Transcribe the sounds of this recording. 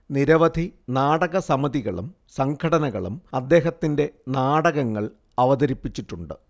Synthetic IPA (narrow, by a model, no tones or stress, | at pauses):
niɾɐʋɐd̪ʱinaːɽɐɣɐsɐmɐðiɣɐɭṵm | sɐŋkʰɐɽɐnɐɣɐ̰ɭṵmɐd̪ːe̞ːɦɐt̪ːinde̞naːɽɐɣɐŋːɐɭ | ɐʋɐðɐɾipːit͡ɕːiʈːuɳɖɨ̰